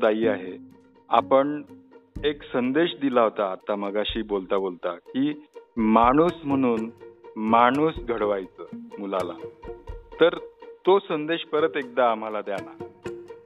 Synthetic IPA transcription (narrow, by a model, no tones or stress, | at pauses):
d͡zaiːaɦe | apəɳ | eksənd̪eɕd̪ilaɦot̪aːt̪ːaməɡaɕiːbolt̪abolt̪akiːmaɽ̃uːsm̤əɽ̃uːnmaɽ̃uːsɡʱəɽʋajt͡səːmulala̰ | t̪əɾt̪osənd̪eɕpəɾət̪ek̚d̪aːm̤alad̪jana